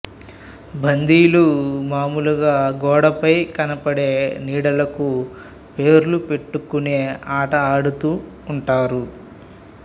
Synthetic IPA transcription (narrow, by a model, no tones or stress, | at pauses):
bʱɐnd̪iːlumaːmuluɡaːɡɔːɽɐpɐjkɐnɐpɐɽe̞ːniːɽɐlɐku | pe̞ːɾulupe̞ʈːukuneːaːʈɐaːɽut̪uː | ɳʈaːɾu